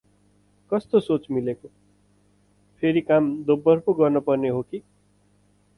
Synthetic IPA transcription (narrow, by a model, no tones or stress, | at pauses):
kʌst̪osot͡smileko | pʰeɾikamd̪obːʌrpoɡʌrnʌpʌrneɦoki